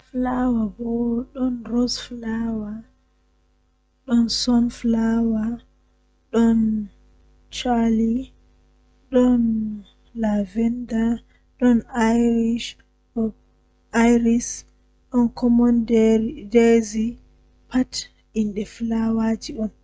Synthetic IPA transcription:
flawabɔɗɔnrɔsflawa | ɗɔnsɔnflawa | ɗɔn | t͡ʃali | ɗɔn | lavɛnda | ɗɔnajɾiʃ | ɔ | ajɾis | ɗɔnkʰɔmɔnddezi | pʰat | inɗɛflawad͡ʒiɗɔn

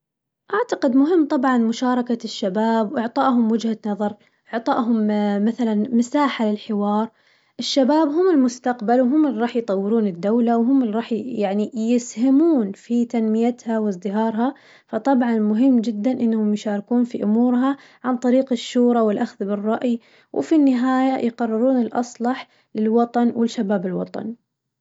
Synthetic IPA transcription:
ʔaʕt̪aqɪd̪mʊɦɪmːt̪ˤɑbʕɑnmʊʃɑːɾˤɑkaʃːabaːbwʔɪʕt̪ˤɑːʔɦʊmwɪd͡ʒhanɑðˤɑɾˤ | ʔɪʕt̪ˤɑːʔɦʊmmaθalanmɪsaːħalɪlħɪwɑːɾˤ | ʔɪʃːabaːbɦʊmɪlmʊst̪aqbalwɦʊmːɪlɾˤɑːħjt̪ˤɑwːɪɾuːnɪd̪ːawlawɦʊmːɪlɾˤɑːħjaʕnijɪshɪmuːnfit̪anmɪjat̪hawzˤd̪ɪɦɑːɾˤɦɑ | fɑt̪ˤɑbʕɑnmʊɦɪmːd͡ʒɪd̪ːanʔɪnːahʊmjʃɑːɾkuːnfiʔʊmuːɾɦa | ʕant̪ˤɑɾiːqɪʃːuːɾˤɑwɪlʔaxðbɨrˤːɑʔj | wfinːɪɦaːjajqɑrˤːɪɾuːnɪlʔɑsˤlɑħ | lɪlwɑt̪ˤɑnwɪlʃabaːbɪlwɑ̰t̪ˤɑ̰n

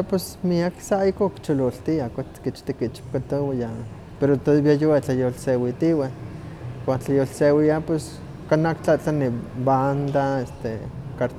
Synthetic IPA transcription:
apwes | miaksaikokt͡ʃololt̪iakʷat̪kit͡ʃt̪ikit͡ʃi̥pkat̪owija | peɾot̪oβiajowat͡ɬajolsewit̪iwe | kʷant͡ɬajolsewiapwes | kanakt͡ɬaʔt͡ɬaniband̪aest̪ekaɾt̪

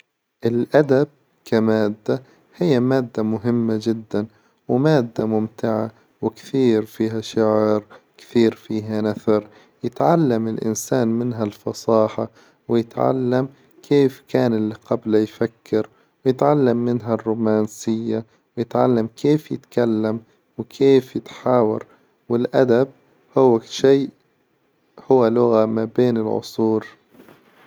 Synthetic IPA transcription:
ʔɪlʔad̪ab̚ | kʰamaːd̪ːa | hɪjːamaːd̪ːamʊɦɪmːad͡ʒɪd̪ːan | wmaːd̪ːamʊmt̪ɪʕa | wɪkθiːɾfiːɦaʃʊʕɾ | kθiːɾfiːɦanaθɑɾ | jɪt̪ʕalːamɪlʔɪ̰nsaːnmɪnɦalfɑsˤɑːħa | wjɪt̪ʕa̰lːam | kʰeːfkʰaːnɪlːiqablajfakːɪɾ | wjɪt̪ʕalːamːɪnɦarˤːuːmaːnsɪjːa | wjɪt̪ʕalːamkʰeːfjɪ̰t̪kalːam | wkʰeːfjɪt̪ħaːwɑ̰ɾˤ | wɪlʔad̪ab̚ | hʊwːaʃiː | hʊwːalʊɣamabeːnɪlʕʊ̰sˤuːɾ

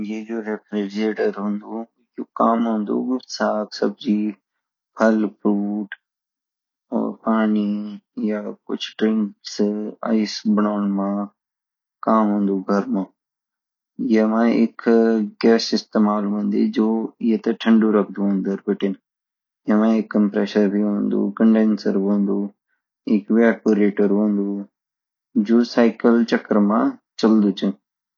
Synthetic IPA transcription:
jeːd͡ʒoːɾeːpɾeɖeːʈəɾɦʊ̃ːnd̪oː | joːkaːmɦõːnd̪o̰ːɡʊsaːksəb̚d͡ʒiː | pʰəlpɾuːʈ | ɔ̰ːɾpaːnijaːkʊ̰t͡ʃʰʈɾɪ̃ŋksa̰ɪsbənaːnmãː | kaːmɦũːnd̪oːɡʱəɾmãː | ɪɦemãːɪkɡɛːsɪst̪eːmaːlɦõːnd̪id͡ʒoːɪɦet̪ɐʈʰəɳɖuɾɐkʰd̪uɦə̃nd̪əɾbɪʈɪn | ɪemãːɪkːəmpɾeːʃəɾbʱiɦõːnd̪ṵːkəɳɖeːnsəɾɦõːnd̪uː | ɪkʋaːpoɾeːʈəɾɦõːnd̪uː | d͡ʒoːsaːɪkəlt͡ʃəkəɾmãːt͡ʃəld̪ut͡ʃən

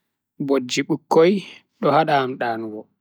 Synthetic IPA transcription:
bod͡ʒːiɓukːoj | ɗɔhaɗamɗaːnɡɔ

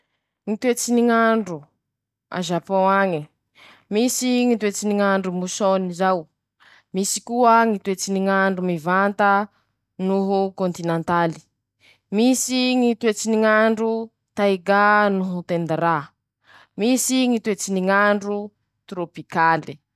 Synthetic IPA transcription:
ŋit̪wet͡siniŋaɳɖ͡ʐu | a̰ʒapõaŋi | misiŋit̪wet͡siniŋaɳɖ͡ʐumusonizaw | misi̥kuəŋit̪wet͡siniŋaɳɖ͡ʐumivant̪ə | nuɦukõnt̪inãnt̪ali̥ | misiŋit̪wet͡siniŋaɳɖ͡ʐu | t̪ajɡanuɦut̪end̪ɾa | misiŋit̪wet͡siniŋaɳɖ͡ʐu | t̪ɾopikali

